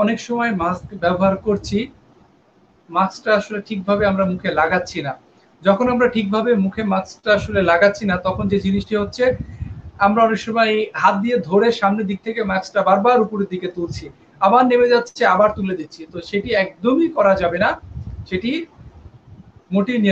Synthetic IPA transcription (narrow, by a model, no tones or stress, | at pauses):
ɔnekʃɔmɔemaskbɛboɦaɾkoɾt͡ɕʰi | masʈaaʃoleʈʰik̚bʱabeamɾamukʰelaɡatːɕʰina | d͡ʑɔkʰonamɾaʈʰik̚bʱabemukʰemasʈaaʃolelaɡatːʰinat̪ɔkʰond͡ʑed͡ʑiniʃʈiɦotːɕʰe | amɾaɔnekʃomajɦat̪̚d̪ijed̪ʱoɾeʃamned̪ik̚t̪ʰekemaksʈabaɾbaɾupoɾeɾd̪iket̪ult͡ɕʰi | abaɾnemed͡ʑatːt͡ɕʰeabaɾt̪uled̪itːɕʰit̪oʃeʈiɛk̚d̪omikɔɾad͡ʑabenaʃeʈi | moʈini